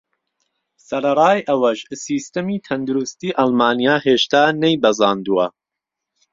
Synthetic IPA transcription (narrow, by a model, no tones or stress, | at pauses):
sɐɾɐɾɑːjʔɐwɐʃsiːst̪ɐmiːt̪ʰɐnd̪uɾust̪iːʔɑlˠmaːnijaːɦeːʃt̪aːnejbɐzɑːnd̪uwɐ